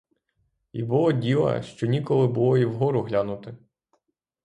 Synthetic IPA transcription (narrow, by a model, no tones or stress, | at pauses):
ḭbɔɔdʲilˠɐ̰ʃt͡ʃɔnʲikɔlˠɪbʊlˠɔiwɦɔɾʊɦlʲanʊt̪ɪ